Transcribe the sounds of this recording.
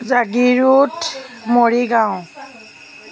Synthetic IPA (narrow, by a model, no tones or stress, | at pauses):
zaɡiɹutmoɹiɡãw̃